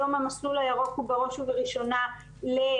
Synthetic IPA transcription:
omamaslulajaʁo̞χhubeʁo̞ʃuveʁiʃo̞na | le

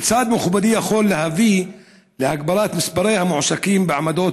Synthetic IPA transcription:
t͡saːd̪mʊxbad̪ijaxolːehavi | lehaɡ̚baɾaːt̪mɪsbaɾejhamʊʕʃakiːmbeʕamad̪oː

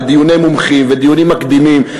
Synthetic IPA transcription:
d̪ijunejmumχimved̪ijunimːakd̪imim

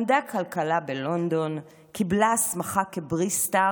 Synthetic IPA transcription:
md̪akʰalkalabelo̞nd̪o̞n | kiblasmaχakebʁista

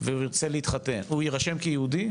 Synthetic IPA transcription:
veuiʁt͡seleit̪χatenujiʁaʃemkejeud̪i

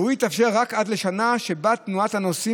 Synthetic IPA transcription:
huit̪afʃeʁːakad̪le̞ʃanaʃe̞bat̪nuathano̞si

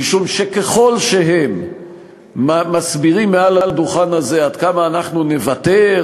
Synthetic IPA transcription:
iʃumʃekeχo̞lʃe̞ɦe̞mː | amasbiʁimːealald̪uχanaze̞ad̪kamaːnaχnune̞vate̞

